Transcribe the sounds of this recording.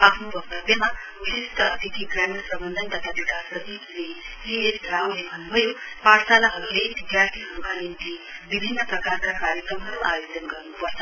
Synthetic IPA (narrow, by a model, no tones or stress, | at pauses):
apʰnobʱʌkt̪ʌbjʌma | isist̪ʌːt̪it̪ʰikɾajmeɽprʌbʌnd̪ʱənt̪ʌt̪ʰabikasʌt̪izlesiesd̪ʱɾaulebʱʌnːubʱʌjopaɾsalaɦʌɾuled̪id̪jarʈ̪ʰiɦʌɾukanimt̪ibibʱinːəprʌkarkakaɾjəkrʌmɦʌɾuʔa̰jod͡ʒʌnɡʌrnupʌɾt͡sʰʌ̥